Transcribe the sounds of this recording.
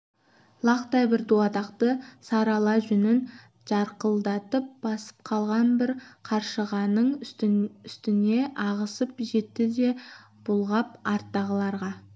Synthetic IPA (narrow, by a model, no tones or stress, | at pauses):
lˠɑqt̪ɑjbɪɾd̪uɑt̪ɑqt̪əsɑɾɑlˠɑʒʏnɪn | ʒ̥ɑɾqəlˠd̪ɑt̪əp̚b̥ɑsə̥p̚qʰɑlˠʁɑnbɪɾqʰɑɾʃəʁɑnəɴ | ʏst̪ɪne̞ʔɑʁəsəpʒe̞t̪ːɪd̪e̞ | b̥ʊlˠʁɑpɑɾt̪ːɑʁəlˠɑɾʁɑ